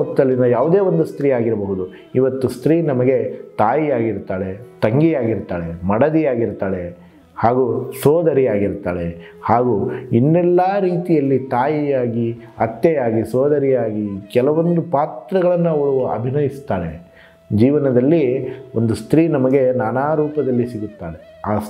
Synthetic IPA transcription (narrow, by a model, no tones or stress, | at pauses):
ɐt̪ːɐlːinɐjaːʋud̪eːo̞nd̪ust̪ɾiːaːɡiɾɐbɐɦud̪u | iʋɐt̪ːust̪ɾiːnɐmɐɡe̞t̪aːjijaːɡiɾt̪aːɽet̪ɐŋɡijaːɡiɾt̪aːɭe̞mɐɽɐd̪ijaːɡiɾt̪aːɭe̞ | haːɡusoːd̪ʱɐɾijaːɡiɾt̪aːɭe̞ | haːɡuːinːɛlːaːɾiːt̪ijɐlːit̪aːjijaːɡi | ɐt̪jɛjaːɡisoːd̪ɐɾijaːɡikɛlɐʋo̞nd̪upaːt̪ɾɐɡɐɭɐnːuɐʋɐɭuɐ̰bʱinɐjist̪aːɭḛ | d͡ʒiːʋɐnɐd̪ɐlːiond̪ust̪ɾiːnɐmɐɡe̞naːnaːɾuːpɐd̪ɐlːisiɡut̪ːaːɭe̞ | aː